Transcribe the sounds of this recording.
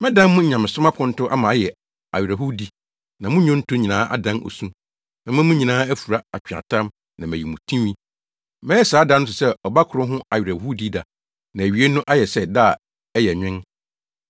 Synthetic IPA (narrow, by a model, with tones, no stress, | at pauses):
mɛ̃˦dã˦mmʊ̃˦˨ɲã˨mɪ̃˨sʊ˦mã˦pʰʊ̃˨n̩˦tʊ˦ʔa˦mã˨˦jɛ˨ | a̰˨ɥɾa˨ɦu˦di˦ | nã˨mʊ̃˦ɲʊ̃˦n̩˦tʰʊ̃˦ɲĩ˨nãː˦ʔa̰˦dã˦nʔo̰˨sũ˦ | nã˨mã˦mʊ̃˦ɲĩ˨nãː˦æ˦fu˨ɾa˦a˨t͡ɕᶣã̰˨tʰã˦m | nã˨mæ̃˨ji˨mũ˨tʰĩ˦mĩ˦ | mɛ̃˦ɛ˦saː˨˦da˦n˦ʊ̃˦sʊ˨sɛ˦ɔ˨ba˦kʰʊ˨ɾʊ̃˦ɦʊ̃˦a˨ɥɾæ˨hu˦di˦da˨ | nã˨æ˨ɥi˨e˦nʊ̃˦ʔa˦jɛ˨sɛ˦da˦˨ | ɛ˦jɛ˨ɲᶣɪ̃˦n